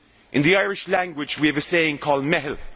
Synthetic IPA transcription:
ʔɪ̰̃nðiaɪɹɪʃlãŋɡwɪd͡ʒwiəvəseɪɪ̃ŋkʰɔːlˠdmɛɦl

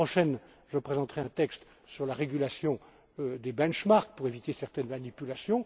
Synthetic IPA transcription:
χɔʃɛn | ʒəpχezɑ̃t̪χɛɛ̃t̪ɛkst̪ | syʁlaʁeɡʲylasjɔ̃ | d̪ebɛ̃nʃmaʁk̚puʁevit̪esɛʁt̪ɛnmanipylasjɔ̃

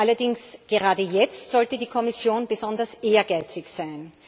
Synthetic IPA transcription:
ʔalɐdɪŋsɡ̥əʁaːdəjɛt͡stz̥ɔltədiːkʰɔmɪsjoːnbəzɔndɐsʔeːɐɡaɪt͡sɪçsæɪn

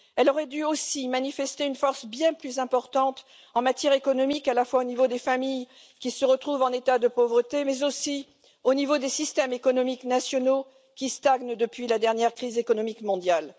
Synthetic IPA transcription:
ɛlɔʁɛd̪yosimanifɛst̪eynfɔʁsbjɛ̃plyzɛ̃pɔʁt̪ɑ̃t̪ | ɑ̃mat̪jɛʁekɔnɔmikalafwaonivod̪efamij | kʲisəʁət̪χuvɑ̃net̪ad̪əpovʁət̪emɛzosi | onivod̪esist̪ɛmekɔnɔmiknasjɔno | kʲist̪aɡnd̪əpɥilad̪ɛʁnjɛʁkχizekɔnɔmikmɔ̃d̪jal

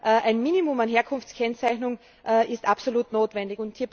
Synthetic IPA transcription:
ʔɛʔæɪnmiːnimʊmanɦeːɐkʰʊnft͡skʰɛnt͡saɪçnʊŋ | ʔʔɪstapsoluːtnoːtv̥ɛndɪçʊnthiːɐb

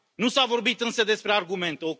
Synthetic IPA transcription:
nusavo̞rbit̪ɨnsəd̪e̞spɾearɡume̞nt̪eo

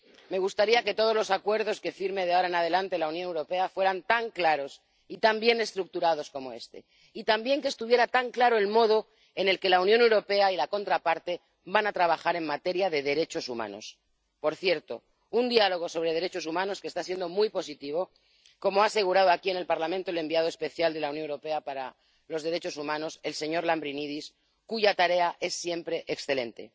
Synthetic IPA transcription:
me̞ɣ̞ust̪aɾiake̞t̪o̞ðo̞zlo̞sakwe̞ɾðo̞ske̞fiɾme̞ð̞aoɾaenaðe̞lant̪e̞launjonewɾo̞pe̞afwe̞ɾant̪aŋklaɾo̞s | it̪ambje̞ne̞st̪ɾuk̚t̪uɾað̞o̞sko̞mo̞e̞st̪e̞̰ | it̪ambje̞ŋkest̪uβje̞ɾat̪aŋklaɾoe̞lmo̞ð̞o̞ | e̞ne̞lke̞launjone̞wɾo̞pe̞ailako̞nt̪ɾapaɾt̪e̞ | banat̪ɾaβaxaɾe̞ŋmat̪e̞ɾjaðe̞ðe̞ɾe̞t͡ʃo̞suma̰no̞̰s | po̞ɾθje̞ɾt̪o̞ | und̪ialo̞ɣ̞o̞so̞β̞ɾe̞ð̞e̞ɾe̞t͡ʃo̞sumãno̞skest̪asje̞nd̪o̞mujpo̞sit̪iβ̞o̞ | ko̞moaːse̞ɣuɾað̞oakie̞ne̞lpaɾlamẽnt̪o̞ele̞mbiaðoe̞spe̞θjald̪e̞launjoewɾo̞pe̞apaɾa̰ | lo̞zðeɾe̞t͡ʃo̞sumãno̞se̞lse̞ɲo̞ɾlambɾiniðis | kuʝat̪aɾe̞aʔe̞sːje̞mpɾe̞ʔeksθe̞le̞̰nt̪e̞̰

